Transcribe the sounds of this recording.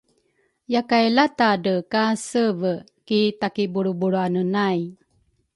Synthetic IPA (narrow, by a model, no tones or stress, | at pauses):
jakajlatadəkasəvə | kitakibuɾubuɾuanənaj